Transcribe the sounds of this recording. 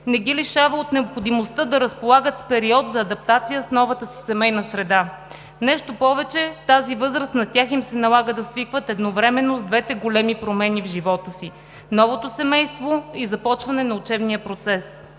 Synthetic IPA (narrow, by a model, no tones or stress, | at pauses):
nɛɡiliʃavəot̪nɛopxod̪imost̪əd̪ɐɾəspolˠaɡət̪spɛɾiɔd̪zɐːd̪ɐp̚t̪at̪sijəsnɔvət̪əsi̥sɛmɛjnəsɾɛd̪a | nɛʃt̪opɔvɛt͡ʃɛt̪azivɤzɾəsnɐt̪ʲaximsɛnɐlˠaɡəd̪ɐsvikvət̪ɛd̪novɾɛmɛnːozd̪vɛt̪ɛɡolɛmipɾomɛnivʒivɔt̪əsi | nɔvot̪osɛmɛjst̪voizɐpɔt͡ʃvɐnɛnɐʊt͡ʃɛbnijəpɾot̪sɛs